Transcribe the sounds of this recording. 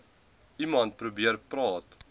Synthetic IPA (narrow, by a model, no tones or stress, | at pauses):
imɐnt̚pɾubiəɾprɑːt